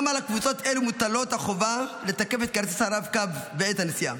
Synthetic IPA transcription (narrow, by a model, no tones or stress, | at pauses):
malakvut͡so̞t̪elumut̪alo̞t̪haχo̞valet̪ake̞fet̪̚kaɾt͡sesaʁavkavːeet̪hanesia̰